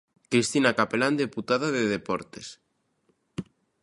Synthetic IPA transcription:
kɾist̪inakapeland̪eput̪aðaðeðepɔɾt̪es

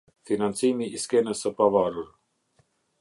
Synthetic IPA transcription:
finant̪t͡s̪iːmiʔiskɛːnəsəpavaːɾuɾ

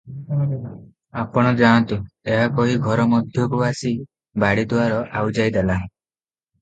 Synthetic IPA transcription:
apɔɽ̃ɔd͡ʒãnt̪ueɦakɔɦiɡʱɔɾɔmɔd̪ʱjɔkubasi | baɽid̪waɾɔʔawd͡ʒajd̪ela

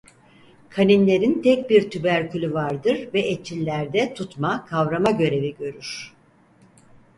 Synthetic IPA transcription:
kʰaninlʲe̞ɾint̪ʰɛc̚biɾt̪ʰybæɾcʰylʲyvaɾd̪ɯɾvɛʔet͡ʃʰilʲːæɾd̪ɛt̪ʰut̪makʰavɾamaɟø̞ɾe̞viɟø̞ɾyɾ̥

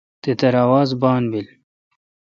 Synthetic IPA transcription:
t̪et̪ɐɾaːwaːzbaːnbil

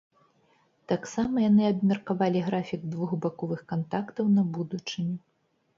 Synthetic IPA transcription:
t̪aksamɐjanɨɐbmʲɛrkavalʲiɣɾafʲiɡ̚d̪vuxbakɔvɨxkant̪akt̪ɐwnɐbud̪ut͡ʂɨnʲɛ

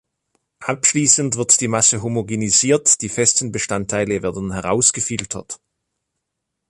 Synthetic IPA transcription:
ʔapʃliːsəntv̥ɪɐtd̥iːmasəɦomoɡeniziːɐtd̥iːfɛstn̩bəʃtantʰːaɪləveːɐdn̩hɛʁa̰ʊsɡ̥əfɪltʰɐ̰t

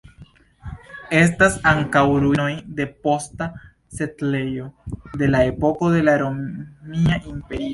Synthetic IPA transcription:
e̞s̬tasaŋkawɾuno̞jde̞po̞sta | se̞tle̞jo̞de̞lae̞po̞ko̞de̞laɾomiaʔimpe̞ɾio

